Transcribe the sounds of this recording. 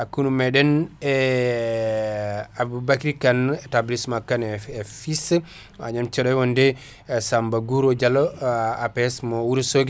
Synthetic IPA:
ʔakːunumɛɗɛnɛ | abubakiɾikantablismakːanɛɛfis | a̰ɲamt͡ʃɔɗɔjwɔndɛ | sambaɡuɾɔd͡ʒalɔapɛɛsmɔwuɾsoɡ

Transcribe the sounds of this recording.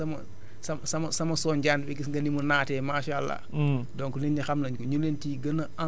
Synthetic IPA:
sɐmɐ | sɐmsɐmɐsɐmɐsɔnɟaːndbɛɡisɡɐnimunaːtɛːmaːʃalːa̰ | dɔŋkuninɲɐxɐmnɐɲkɔɲulentiːɡɐnɐʔɐ

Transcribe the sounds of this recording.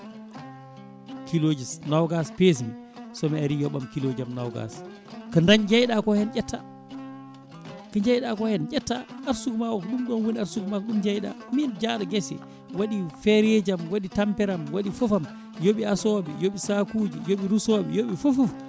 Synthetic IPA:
kilod͡ʒisnawɡaspes̬imi | sɔmɛaɾijɔɓamkilod͡ʒamna̰wɡa̰s | kandaɲd͡ʒajɗakɔhɛnd͡ʒɛtːa̰ | kaɲd͡ʒajɗakɔhɛnd͡ʒɛtːaaɾsukmawɔkɗumɗɔnwoniaɾsukmakɗumd͡ʒajɗa̰ | mind͡ʒaɗɔɡɛsɛ̰ | waɗifɛɾɛd͡ʒamwaɗitampɛɾamwaɗifɔfam | joɓiasɔɓɛ̰joɓisakuːd͡ʒijoɓiɾusɔɓɛ̰joɓifufuf

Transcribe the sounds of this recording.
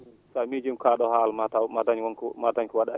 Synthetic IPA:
samid͡ʒimkaɗɔhaːlmatamadaɲwakmadaɲkɔwaɗa

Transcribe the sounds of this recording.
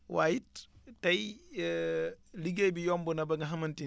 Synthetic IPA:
wa̰ːjittɐj | liɡejbijɔːmbunɐbɐŋɡɐɦɐmɐnti

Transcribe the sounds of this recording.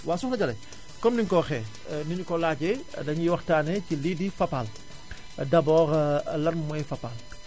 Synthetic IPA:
waːsuxnɐɟɐlɐ̰j | kɔmniɲkɔxɛ | niɲukɔlaːɟɛdɐɲwɐxtaːnɛcilidifɐpal | dɐbɔːɾlɐrmɔjfɐpal

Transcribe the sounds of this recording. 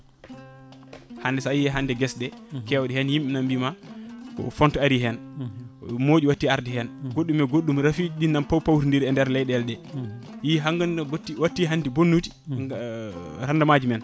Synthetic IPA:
handɛsajɛɦandɛɡɛsdɛkɛwɗihɛnjimɓinambimakɔ̰fɔntɔaɾiɦɛn | mod͡ʒuwatːiaɾdihɛnɡoɗːumɛɡoɗːumɾafiɗinːampawpawɾindiɾɛndɛɾlɛjɗɛlɗɛ | jiɦaŋɡanbtːiwatːiɦandibonːuti̥ | ɾandamad͡ʒimɛn

